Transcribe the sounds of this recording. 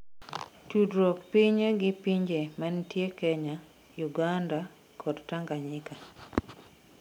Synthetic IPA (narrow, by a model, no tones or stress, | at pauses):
tudɾok̚piɲeɡɪpiɲd͡ʒemantjekɛɲa | juɡanda | kʰɔdtaŋɡaɲɪka